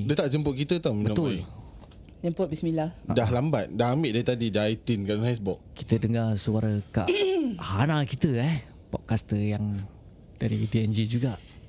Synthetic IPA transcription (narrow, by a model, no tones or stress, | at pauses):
dət̪aʔd͡ʒəmpʊʔ̚kit̪ət̪awmibənɔ̃t̪ʊl | jampoʔ̚bismilahdahlambat̪̚dahamɪʔdait̪adidait̪inkaʔdanhasbɔk̚ki̥t̪ədəŋasuaɾəka̰ʔanakit̪əɛ | pɔ̰ʔkast̪əjaŋ | d̥aɾidiɛnd͡ʒid͡ʒuɡaʔ